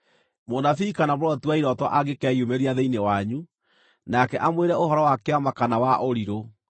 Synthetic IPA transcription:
monafiːkanamoɾɔtuaiɾɔtɔʔaɣekɛiomeɾiaðeinewaɲu | nakɛʔamweɾɛohɔɾɔwakeamakanawaʔoɾiɾo

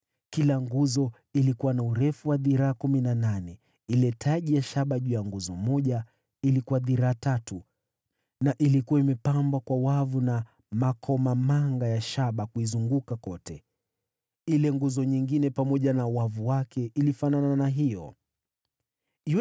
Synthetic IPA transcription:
kilaŋɡuzɔ | ilikuwanauɾɛfuwaðiɾaːkuminananɛ | ilɛtʰaʄijaʃaɓaʄujaŋɡuzɔmɔʄa | ilikuwaðiɾaːtatu | naʔilikuwaimɛpambwakwawavuna | makʰɔmamaŋɡajaʃaɓakuizuŋɡukakɔtɛ | ilɛŋɡuzɔɲiŋɡinɛpamɔʄanauwavuwakʰɛʔilifanananaɦijɔ

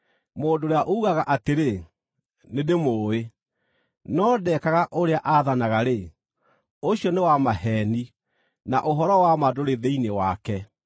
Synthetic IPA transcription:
moːdoɾeaʔouɣaɣaʔateɾe | nedemoːe | nɔdɛkaɣaʔoɾeaʔaðanaɣaɾe | oɕjɔnewamahɛːni | naʔoɦɔɾɔwamadoɾeðeinewakɛ

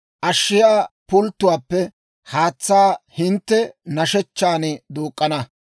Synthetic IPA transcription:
ʔɐʃːɪjaːpʊlt̪ːʊwaːpːɛ | haːt͡sːaːhɪnt̪ːɛnɐʃɛt͡ʃːaːnɪd̪oːkʼːɐnɐ

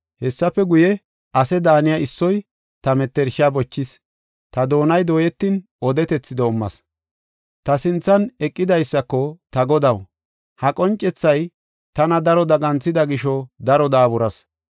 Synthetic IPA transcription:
hɛsːɐpːɛɡʊjɛ | ʔɐsɛd̪aːnɪjɐɪsːɔj | t̪ɐmɛt̪ːɛɾʃɪaːbɔt͡ʃːɪs | t̪ɐd̪o̞ːnɐjd̪o̞ːjɛt̪ːiːn | ɔd̪ɛt̪ɛt͡sːɪd̪ɔʊmːɐ̰s | t̪ɐsɪnt͡sːɐnɛkʼːɪd̪ɐjsːɐkːɔt̪ɐɡɔd̪ɐw | hɐkʼɔnt͡ʃʼːɛt͡sːɐj | t̪ɐnɐd̪ɐɾɔd̪ɐɡɐnt͡sːɪd̪ɐɡɪʃɔd̪ɐɾɔd̪aːbʊɾɐs

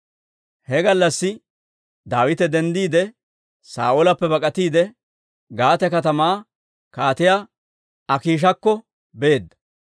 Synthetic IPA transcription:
hɛɡɐlːɐsːɪ | d̪aːwɪt̪ɛd̪ɛnd̪iːd̪ɛ | sa̰ːʔolɐpːɛbɐkʼɐt̪iːd̪ɛ | ɡaːt̪ɛkɐt̪ɐmaː | kaːt̪ɪjaː | ɐkiːʃ̬ɐkːɔ | be̞ːd̪ːɐ̥

